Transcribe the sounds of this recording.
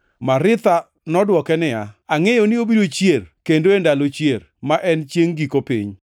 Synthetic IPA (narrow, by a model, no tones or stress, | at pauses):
maɾɪt̪a | nɔdwɔkɛnɪjaaŋejonɪobiɾot͡ʃjerkendoendalot͡ʃjer | maʔɛnt͡ʃjeŋɡikopḭɲ